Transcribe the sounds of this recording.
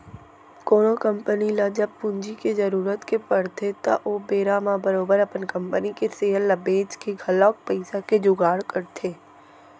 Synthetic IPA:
koːnokəmpənilad͡ʒəb̚pʊ̃nd͡ʒikezəɾuːɾət̪kepəɽt̪ʰet̪a̰ʔoːbeːɾamãbəɾoːbəɾɐpənkə̃mpənikeseːəlːɐbeːd͡ʒkeɡʱɐlɔːk̚pəɪsaked͡ʒʊɡaːɽkəɾt̪ʰeː

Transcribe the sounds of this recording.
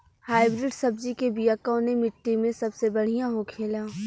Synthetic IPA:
haːɪbɾɪɖsɐb̚d͡ʒikebijaːkõnemɪʈːimẽsɐbsebɐɽ̤ijãɦokʰeːlaː

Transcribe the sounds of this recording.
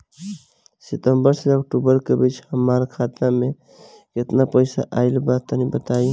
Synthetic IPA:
sit̪əmbəɾsəəkʈubəɾkebit͡ʃhəmaɾkʰat̪ame | ket̪napəjsa̰ʔajlbat̪ənibət̪aj

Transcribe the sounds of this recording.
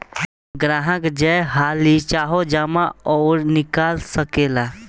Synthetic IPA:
ɡɾaɦə̃kd͡ʒəjɦalit͡ʃaɦod͡ʒamaɔːɾnɪkalsəkela

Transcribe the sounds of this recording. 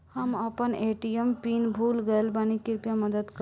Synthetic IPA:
həməpəneʈijəmpinbʱulɡəelbanikiɾpjaməd̪əd̪k

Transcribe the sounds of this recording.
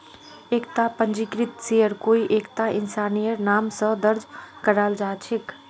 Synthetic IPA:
ekt̪apənd͡ʒikɾit̪sejəɾkoiʔekt̪ainsanijəɾnamsə̃d̪əɾd͡ʒkəɾald͡ʒat͡ʃʰek

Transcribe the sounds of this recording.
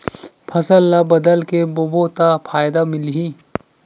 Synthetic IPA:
pʰɐsəlːabɐd̪əlkebobot̪apʰaːjd̪amɪlɦi

